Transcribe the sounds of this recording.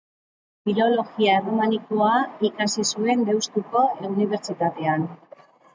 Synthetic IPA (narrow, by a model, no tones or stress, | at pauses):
filo̞lo̞ɣiaero̞manikoaikasisue̞nd̪e̞wst̪uko̞euniβ̞e̞ɾt͡ʃit̪at̪e̞an